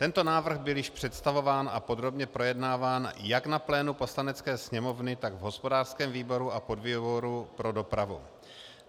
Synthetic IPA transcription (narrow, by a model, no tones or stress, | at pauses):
t̪ɛnt̪o̞naːvr̩ɣbɪljɪʃpr̝̥ɛt̪st̪avo̞vaːnapo̞d̪ɾo̞bɲɛpɾo̞jɛdnaːvaːnjaknaplɛːnupo̞slanɛt͡skɛːsɲɛmo̞vnɪt̪aɡvɦo̞spo̞daːr̥skɛːmviːbo̞ɾuʔapo̞dviːboɾupɾo̞do̞pɾavṵ